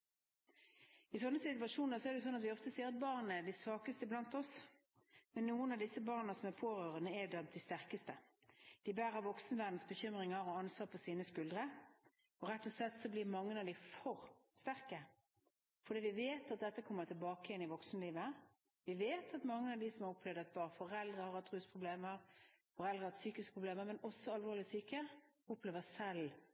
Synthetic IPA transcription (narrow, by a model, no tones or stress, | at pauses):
ɪsɔnːəsɪt̪ʉɑʂuːnəsɔɛɾd̪ɛʊsɔnːɑt̪ʋɪɔft̪əseːʁɑt̪̚bɑːʁnəɛd̪ɪsʋɑːkəst̪əblɑnt̪ɔs | mɛnːuːənɑʋd̪ɪsːəbɑːʁnəsɔmæpʰoːɾøːʁənəɛd̪ɛmd̪ɪst̪æʁkəst̪ə | d̪̥ɪbæːʁəɾʋɔksnəʋæʁd̪n̩sbəçʏmʁɪŋəɾɔɑnsʋɑːʁpʰɔsiːnəskʉld̪ʁə | ɔʁɛt̪ːɔslɛt̪ːsɔblɪʁmɑŋːənɑd̪ɪfɔɾst̪æʁkə | fɔɾd̪iːʋɪʋeːt̪ɑt̪̚d̪ɛt̪ːəkʰɔmːət̪ʰɪlbɑːkəjɛnɪʋɔksnəliːʋə | ʋɪʋeːt̪ʰɑt̪mɑŋːəɑʋd̪ɪsɔmɑɾɔpʰlɛʋd̪ɑɛt̪̚bɑːnfɔʁɛld̪ʁəhɑɾɑt̪ʰʁʉːspʰʁʊbleːməʁ | fɔɾɛld̪ʁəhɑt̪syːkɪskpʰʁʊbleːməmɛnɔsːɔɑlʋoːlɪsyːkə | ɔpleːʋəsɛl